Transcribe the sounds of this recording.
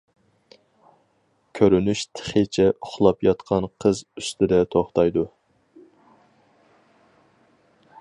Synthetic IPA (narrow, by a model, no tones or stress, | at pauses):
kʲʰøɾynyʃt̪ʰə̥χet͡ʃʰɛʊχlˠɑpjɑt̪qʰɑnqʰəzyst̪ʰɪd̪ɛt̪ʰoχt̪ɑjd̪u